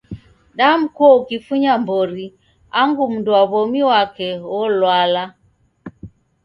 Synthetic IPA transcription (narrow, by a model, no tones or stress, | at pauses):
dam̩kɔukifuɲambɔɾi | aŋɡum̩nduaβɔmiwakɛwɔlwala